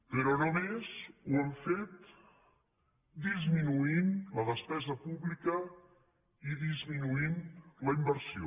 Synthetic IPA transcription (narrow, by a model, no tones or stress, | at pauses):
pəɾɔnomezwɛmfet̪ | d̪izminuinləðəspɛzəpuβlikə | iðizminuinləimbəɾsio